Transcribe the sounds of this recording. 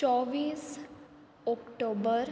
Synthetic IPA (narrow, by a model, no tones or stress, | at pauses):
t͡ʃɔʋiːs | ɔkʈobəɾ